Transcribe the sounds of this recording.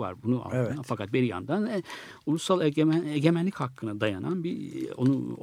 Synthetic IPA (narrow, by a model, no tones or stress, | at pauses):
va̰ɾbunuʔa̰lafakʰat̪̚biɾja̰nd̪anɛ | ulˠusalˠeeɟʲemænlʲichakʰːɯnad̪ajana̰nbio̞̰nu